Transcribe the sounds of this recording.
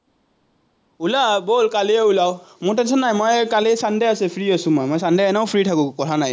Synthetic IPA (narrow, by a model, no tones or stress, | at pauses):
ulabolkaliɛulawmʊtɛnsɔnːajmɔjkalisandɛjasɛpʰɹiasʊ̃mɔjmɔjsandɛɛnaʊpʰɹitʰakʊ̃kɔtʰanaj